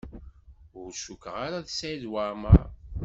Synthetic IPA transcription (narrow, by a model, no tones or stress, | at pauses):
ʊɾʃukːʁaɾaðsaðwama̰